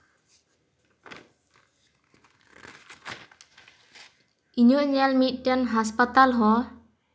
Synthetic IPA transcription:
iɲoɲɛlmit̪̚ʈɛnɦaspat̪alɦɔ

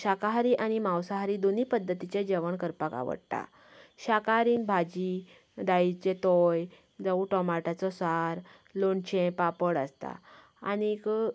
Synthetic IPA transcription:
ɕakaɦaɾiʔaɽ̃imawsaɦaɾiːd̪oniːpəd̪ʱːət̪it͡ɕed͡ʑəʋəɳkəɾpaka̰ʋə̰ɽt̪a̰ | ɕakaɦaɾiːnbʱad͡ʑi | d̪ait͡ɕet̪ɔj | d͡zauʈɔmaʈat͡sɔsaɾ | loɳt͡ɕẽpapəɽəst̪a̰ | a̰nik

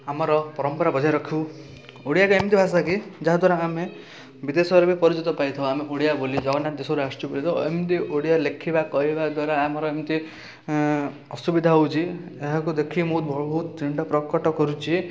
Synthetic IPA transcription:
amɔɾɔpɔɾɔmpɔɾabɔd͡ʒʱajɾɔkʰi | oɽijakuemt̪ibʱasakid͡ʒaɦd̪ʱwaɾaame | bid̪esɔbɔɾɔbipɔɾid͡ʒit̪ɔpait̪ʰɔw̃ameʔoɽijabolid͡ʒɔɡɔnad̪esɔɾast͡ʃubelit̪ʰɔḛmt̪̬iʔoɽijalekʰibakɔɦibad̪waɾaːmɔɾɔemt̪i | ɔsubid̪ʱaɦɔwt͡ʃʰieɦakud̪ekʰimɔɦut̪bʱɔɭbɔɦut̪t̪iɳɖɔpɾɔkɔʈɔkɔɾut͡ʃʰi

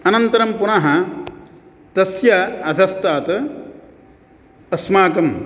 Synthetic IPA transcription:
ɐnɐnt̪ɐɾɐmpunɐɦɐ | t̪ɐsjɐɐd̪ʱɐst̪aːt̪ | ɐsmaːkɐm

